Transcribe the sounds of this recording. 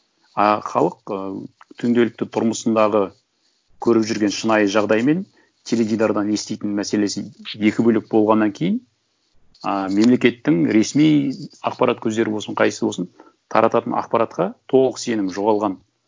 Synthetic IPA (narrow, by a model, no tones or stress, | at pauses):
χɑlˠəq̚ | t̪ʰʏŋd̪e̞lɪk̚t̪ɪt̪ʰʊɾməsənd̪ɑʁə | kʲʰɵɾɪpʒʏɾɡʲe̞nʃənɑjəʒɑʁd̪ɑjme̞n | t̪ʲʰe̞led̪ʲijd̪ɑɾd̪ɑne̞st̪e̞jt̪ɪnmæse̞le̞sɪje̞kʲɪbɵlɪk̚bo̞lˠʁɑnːɑŋkʲʰe̞jɪn | me̞mle̞kʲe̞t̪ːɪŋɾe̞smijɑ̰qpɑɾʔɑt̪̚kʲʰɵzd̪e̞ɾɪbwo̞lˠsəɴqʰɑj̪səbo̞lsən | t̪ʰɑ̰ɾʔɑt̪ɑt̪ənʔɑ̰qpɑɾɑt̪qɑt̪ʰo̞ʁlˠəqəse̞nɪmʒo̞ʁɑlˠʁɑn